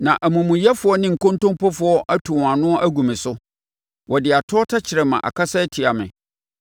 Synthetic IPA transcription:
nã˨ʔæ˨mũ˨mũ˨jɛ˦fʊ˨ɔ˦nɪ̃˦ŋ̩˨kɔ̃˦ntɔ̃˦mpɔ˦fʊ˨ɔ˦ʔa˦tʰu˨wã˨nʊ̃˦ɔ˦ʔæ˦ɡũ˨mɪ̃˨sʊ˦ | wɔ˨dɪ˨a˨tʰʊ˦ɔ˦tʰa˦t͡ɕʰɪ˨ɾɛ˨mã̰˨ʔa̰˨kʰa˦sɛ˦tʰi˨a˨mɪ̰̃˨

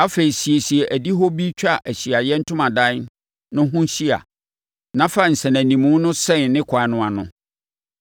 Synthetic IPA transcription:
a˦fe˨ɾi˨si˨e˨si˨e˨ʔæ˨di˦ɦɔ˦bi˦t͡ɕᶣa˦˨ʔæ˨ɕi˨a˨jɛ˦n̩˦tʰʊ̃˦mã˨dã˦n˦ | nʊ̃˦ɦʊ̃˦ɕi˦a̰˨ | nã˦fa˦˨n̩˨sɛ̃˨næ̃˨nĩ˨mũ˦nʊ̃˦sɛ̃˦˨nnɪ̃˦kʷʰa˨nʊ̃˨a˨nʊ̰̃˨

